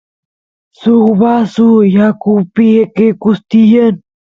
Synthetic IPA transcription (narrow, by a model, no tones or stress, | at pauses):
suβasujakupiekekust̪ijən